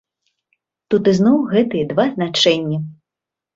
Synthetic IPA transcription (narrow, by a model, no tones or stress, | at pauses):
t̪ut̪ɨznɔwɣɛt̪ɨjɛd̪vaznat͡ʂɛnʲːi